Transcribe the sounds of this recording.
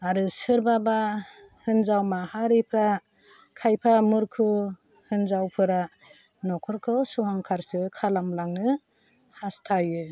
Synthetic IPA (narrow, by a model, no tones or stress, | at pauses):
aɾɯsɯɾbaba | hɯnzawmahaɾipʰɾa | kʰajpʰamɯɾkʰu | hɯnzawpʰɯɾa | nɔkʰɔɾkʰɯsuɦaŋkʰaɾsɯkʰalamlaŋnɯ | hastʰajɯ